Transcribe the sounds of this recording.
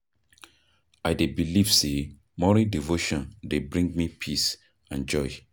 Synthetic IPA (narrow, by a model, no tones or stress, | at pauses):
aɪdebiliv̥se | mɔɹidivoʃɔ̃ndebɹĩŋɡ̚mipʰis | ãnd͡ʒɔɪ